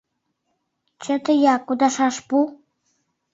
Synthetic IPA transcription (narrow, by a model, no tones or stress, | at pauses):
t͡ɕə̆t̪əjɑkud̪ɑʃɑʃpu